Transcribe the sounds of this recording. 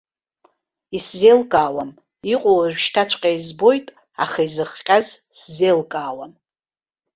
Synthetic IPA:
iszelkʼaːwam | iqʷʼowrʷᶣʃtʰat͡ɕʷʰʼqʲʼajzbo̞jtʼ | a̰χaizɨχqʲʼazszelkʼaːwam

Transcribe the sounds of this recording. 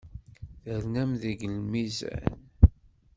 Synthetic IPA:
θəɾnæmðiɡəlmizæ̰n

